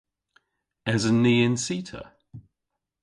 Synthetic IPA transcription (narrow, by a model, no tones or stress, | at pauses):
əzəniːɪ̃nsiˑtʰə̰